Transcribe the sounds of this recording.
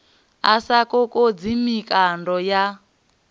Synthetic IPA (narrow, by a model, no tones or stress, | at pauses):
asakɔkʼod͡zimikʼandɔja